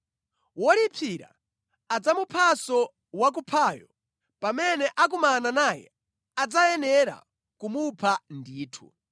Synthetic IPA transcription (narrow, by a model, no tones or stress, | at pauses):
wɔlipʰiɾa̰ | ad͡zamupʰasɔ | wak̬upʰaːjɔ | pamɛnɛʔak̬umananajɛ̰ | ad͡zajɛnɛɾa̰ | kumupʰandiːtʰṵ